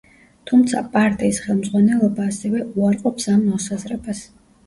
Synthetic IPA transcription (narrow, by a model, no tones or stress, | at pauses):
t̪ʰumt̪sʰa̰pʼaɾt̪ʼiːsχɛlˠmd̪zʁwanɛlˠɔbaːsɛvɛuaɾqʼɔpsamːɔsazɾɛbas